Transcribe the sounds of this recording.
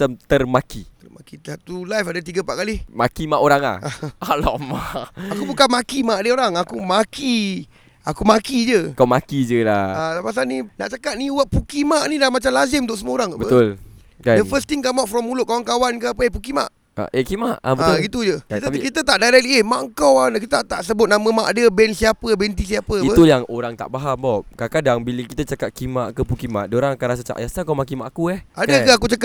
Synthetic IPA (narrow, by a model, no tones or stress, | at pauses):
amt̪ərmakit̪əmakit̪at̪ulajfadət̪iɡəmpaʔkalihmakimaʔoɾaŋa̰haalɔ̰ʔmaakubukanmakimaʔadəoɾaŋakumaki | akumakid͡ʒəkawmakid͡ʒəlaalapas̬anina̰ʔt͡ʃakat̪̚niuwaʔpukimaʔnidaamat͡ʃamlazɪmunt̪̬ʊʔsəmuəoɾaŋabəət̪ʊl | kadəfəst̪iŋkamaʔfɾɔmːulʊʔ̚kawankawankəapəep̬ukima̰ʔ | a̰ʔekimaʔabəəat̪ʊɡit̪ud͡ʒəit̪kit̪ət̪aʔdajɾɛk̚liehmaʔŋkawankit̪aʔt̪aʔsəbʊt̪̚namə̃maʔadəbɛnsiapəbɛnt̪is̬iapəiətujaŋoɾaŋt̪a̰ʔbaɦambɔʔkakadaŋbiləkit̪at͡ʃakat̪̚kimaʔkəpukima̰ʔdəoɾaŋakanas̬at͡ʃa̰ʔjasakamakimaʔakuɛhadakaak̬ut͡ʃaka